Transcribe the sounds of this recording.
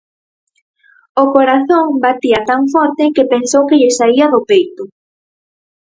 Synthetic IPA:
ʊkoɾaθoŋbat̪iat̪aŋfɔɾt̪ɪkepensowkɪʎɪsaiɐðʊpejt̪ʊ

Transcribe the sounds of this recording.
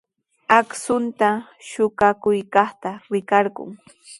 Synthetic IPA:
aksʊnt̪a | ʃʊɢakʊjkɑχt̪aɾɪkɑɾɢʊ̰ŋ

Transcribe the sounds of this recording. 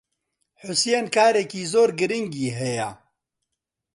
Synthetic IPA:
ħʊsjenkʰaːɾekiːzoːɾɡɨɾɪŋɡiːɦɛja

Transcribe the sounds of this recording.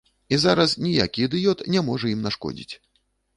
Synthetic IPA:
izaɾɐsnʲija̰kʲid̪ɨjɔt̪nʲɛmɔʐɐjimnaʂkɔ̰d͡zʲḭt͡sʲ

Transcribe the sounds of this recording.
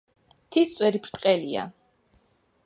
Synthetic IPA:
t̪ʰist̪sʼwɛɾipʰɾt̪ʼqʼɛlia̰

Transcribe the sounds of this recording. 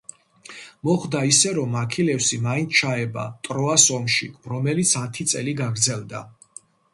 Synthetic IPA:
mɔχd̪aisɛɾɔmakʰilɛfsimaint̪ʰt͡ʃʰaɛba̰t̪ʼɾɔasɔmʃḭɾɔmɛlit̪sʰat̪ʰit̪sʼɛliɡaɡɾd̪zɛlˠd̪a̰

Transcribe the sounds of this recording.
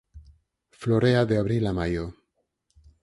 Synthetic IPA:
floɾeaðeaβɾilamajo

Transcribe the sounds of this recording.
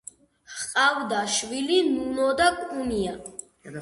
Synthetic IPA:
hqʼavd̪aʃvilinunɔd̪akʼunia

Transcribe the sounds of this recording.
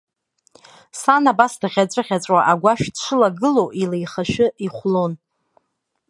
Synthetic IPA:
sanabasdaʁʲat͡sʷʼɨʁʲat͡sʷʼwaʔaɡʷaʃᶣdʂɨlaɡɨlo̞ʔilejχaʃɨiχʷlon

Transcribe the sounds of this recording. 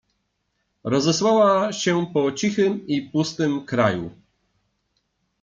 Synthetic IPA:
ɾɔzɛswawaɕɛpɔt͡ɕixɘmipust̪ɘmkɾajṵ

